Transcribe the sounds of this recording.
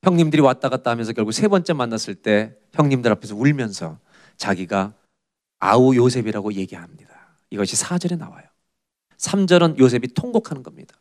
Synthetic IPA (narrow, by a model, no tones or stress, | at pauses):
çjʌŋɲimdɯɾiwat͈aɡat̚t͈aɦamjʌns̬ʰkjʌɭɡuksʰe̞bʌnt͡ɕ͈emanːas͈ɯɭt͈e̞ | çjʌŋɲimdɯɾapʰe̞s̬ʰʌuɭmjʌnsʰʌ | t͡ɕaɡiɡa | a̰ujosʰe̞biɾaɡoje̞ɡiɦamɲid̥a | iɡʌɕʰisʰad͡ʑʌɾe̞na̰wa̰jo | sʰamd͡ʑʌɾɯnjos̬ʰe̞bitʰoŋbokʰanɯnɡʌmɲid̥ḁ